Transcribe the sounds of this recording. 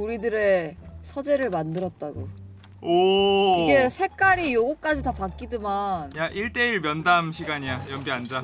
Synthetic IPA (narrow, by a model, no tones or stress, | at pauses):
uɾidɯɾe̞sʰʌd͡ʑe̞ɾɯɭmandɯɾʌt̚t͈aɡo | oiɡe̞sʰe̞k͈aɾijoɡok͈ad͡ʑitapak̚k͈idɯmanjaʔiɭt͈e̞iɭmjʌndamɕʰiɡaɲijajʌmbiand͡ʑa